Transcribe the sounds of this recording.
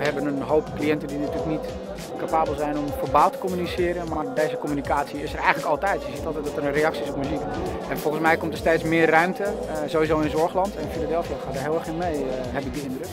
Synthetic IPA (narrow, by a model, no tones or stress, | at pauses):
əɦɛbənənɦowpklijɛntəndinatyːləknit | kapaːbəlˠzɛjnɔmfərbaːlˠtə̥komynisɪːəɾənmaɹdeːzəkomynikaːsiɪsərɛjənləkɑlˠtɛjtjəzitɑlˠtɛjt̚dɔtərənrejɑksiɪsɔpmyzik | ɛnfɔlˠɣən̩smɛjkɔmtərstejtsmɪːrrœɥmtə | zoːwizowɪnzɔɹxlɑntɛnfiladɛlˠfiaxaːdəɹɦɪlˠɛɹxɪnmejɦɛpɪɡ̚dəɪndrək